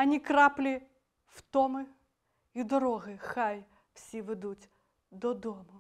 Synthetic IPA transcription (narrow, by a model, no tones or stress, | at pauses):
ɐnʲikɾaplʲɪ | ft̪omɨ | id̪ɐɾoɣɨxaj | fsʲevɨd̪utʲ | d̪ɔd̪omɐ